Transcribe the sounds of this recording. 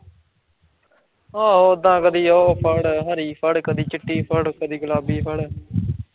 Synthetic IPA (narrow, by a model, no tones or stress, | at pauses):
aːɦoːd̪ãːkəd̪iːoːpʰəɽɦəɾiːpʰəɽkəd̪iːt͡ʃɪʈːiːpʰəɽkəd̪iːɡʊlaːbiːpʰəɽ